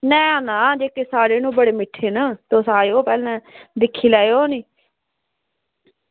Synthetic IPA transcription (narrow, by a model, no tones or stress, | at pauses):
nɛ̃ːaːnaːd͡ʒeːkeːsaːɾeːnũːbəɽeːmɪʈʰːeːnaːt̪oːsaːeːoːpɛːlɛ̃ːd̪ɪkʰːiːlaːeːoːniː